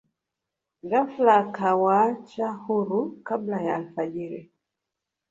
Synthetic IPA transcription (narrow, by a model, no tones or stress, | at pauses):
ɡaflakawat͡ʃahuɾukablajaːlfaʄiɾɛ